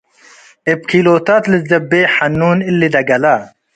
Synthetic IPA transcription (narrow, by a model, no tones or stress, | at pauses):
ep̚kʰiloːt̪aːt̪lizzɐbeːħɐnːuːnilːid̪ɐɡɐla